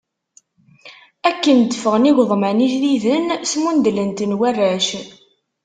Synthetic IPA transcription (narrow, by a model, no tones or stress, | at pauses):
ækːənd̪əfəʁniʝʷðˤmæniʒliðənsmund̪lənt̪ənwærːæʃ